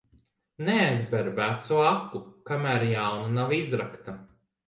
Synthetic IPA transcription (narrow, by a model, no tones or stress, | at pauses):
nɛæjzbɛɾbæt̪suakːukamæɾjawnunavizɾakt̪a